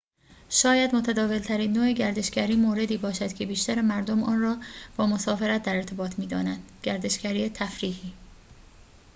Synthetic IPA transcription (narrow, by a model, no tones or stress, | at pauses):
ʃɒːjæd̪mo̞t̪ʰæd̪ɒːve̞lt̪ʰæɾiːnːoːeɟæɾd̪e̞ʃɡæɾiːmoːɾe̞d̪iːbɒːʃæd̪̥cʰebiːʃt̪æɾemæɾd̪omʔɒːnrɒːb̥ɒːmo̞sɒːfe̞ɾæt̪̚d̪æɾeɾt̪ʰe̞bɒːt̪ʰmiːd̪ɒ̰ːnænd̪̥ɟ̥æɾd̪e̞ʃcæɾiːet̪ʰæfɾiːhiː